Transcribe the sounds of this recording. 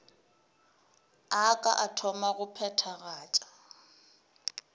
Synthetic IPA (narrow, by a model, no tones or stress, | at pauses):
akʼa̰ʔatʰɔmaɣʊpʰɛtʰaɣaːt͡ʃʼḁ